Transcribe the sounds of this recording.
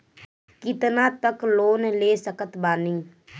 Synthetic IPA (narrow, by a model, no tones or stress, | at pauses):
kɪt̪naːt̪əkloːnɛleːsəkət̪baːnĩː